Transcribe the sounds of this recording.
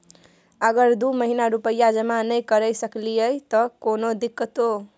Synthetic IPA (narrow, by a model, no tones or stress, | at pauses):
ʌɡʌrd̪umʌɦinaɾupʌjːad͡zʌmanʌjkʌɾʌjsʌklijʌjt̪ʌkonod̪ikːʌt̪o